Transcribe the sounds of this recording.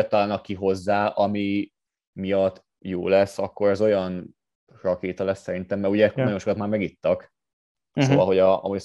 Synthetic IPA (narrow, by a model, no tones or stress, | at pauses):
ɛt̪ːɒlaːnɒkːiɦo̞zːaːʔɒmi | mijɒt̪ː | jo̰ːlɛsːɒkːo̞ɾɛzo̞jɒn | rɒkeːt̪ɒlɛsːɛɾint̪ɛmːɛuɟɛɛkːonɒjo̞nʃokɒt̪maːrmɛɡit̪ːɒk | sooːvɒlɦo̞ɟɒɒ̰muɟ